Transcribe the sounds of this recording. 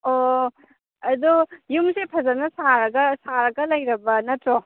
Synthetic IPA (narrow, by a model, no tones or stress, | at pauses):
o | ɐd̪ujumsepʰɐzɐnɐsaɾɐɡɐsaɾɐɡɐlɐjɾɐbɐnɐtɾo